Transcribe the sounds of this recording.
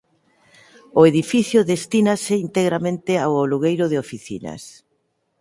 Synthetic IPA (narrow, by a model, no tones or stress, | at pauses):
ʊeðifiθjʊðest̪inasɪint̪eɣɾamẽnt̪ɪawoluɣejɾʊðɪofiθḭnɐ̰s